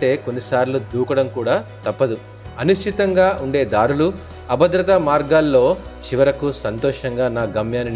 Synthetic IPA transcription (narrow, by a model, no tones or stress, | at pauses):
ʈe̞ːko̞nːisaːɾlud̪uːkɐɽɐmkuːɽaːt̪ɐpːɐd̪u | ɐnuʃʈ̪ʰit̪ɐŋɡaːʔuɳɖe̞ːd̪aːɾulu | ɐbɐd̪ɾɐt̪ɐmaːɾɡaːlːo̞ːt͡ʃiʋɐɾɐkusɐnt̪ɔːʂɐŋɡaːnaːɡɐmjaːnin